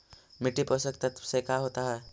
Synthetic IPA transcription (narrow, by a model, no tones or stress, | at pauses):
mɪʈipəsəkt̪ət̪sekaɦoːt̪aɦɛː